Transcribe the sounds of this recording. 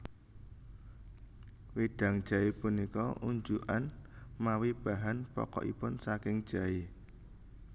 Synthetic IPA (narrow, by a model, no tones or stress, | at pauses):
wiɖ̥a̤ŋd̥ʒ̥a̤ipunikɔʔuɲd͡ʒuʔan | mawib̥a̤ɦanpɔ̰kɔ̰ʔḭpʊnsakɪŋd̥ʒ̥a̤i